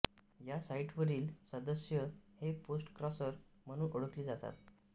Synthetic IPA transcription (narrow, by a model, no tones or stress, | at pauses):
jasaiʈʰʋəɾiːlsəd̪əsjəheposʈkɾɔsəɾm̤əɽ̃ũːʔoɽəkliːd͡zat̪a̰t̪̚